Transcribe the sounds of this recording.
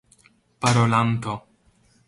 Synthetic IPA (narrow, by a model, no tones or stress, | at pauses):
paɾolant̪o